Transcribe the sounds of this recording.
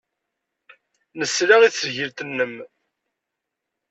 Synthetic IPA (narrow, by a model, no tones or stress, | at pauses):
nəsɾaʁiθəʝəlt̪ənːəm